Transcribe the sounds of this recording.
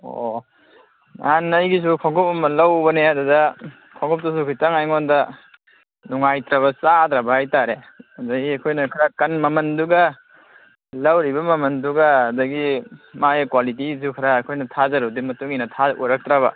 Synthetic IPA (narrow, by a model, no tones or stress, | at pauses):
o̰ | nanːɐjɡis̬ukʰaŋɡʰɔp̚ɐmɐlɐwbɐneadɐdɐ | kʰɔŋɡʰɔp̚tus̬ukʰijtaŋajŋɔndɐ | nuŋajtɾaβɐsad̪ɾabɐhajtaɾe | ɐdɐɡiɐkʰojnɐkʰaɾakɐnmɐmɐnduɡɐ | lɐwɾibɐmɐmɐnduɡɐɐdɐɡimajkwalitiis̬ukʰaɾaːkʰojnɐtʰazɐɾudimɐtuŋinɐtʰauɾak̚tɾaβɐ̰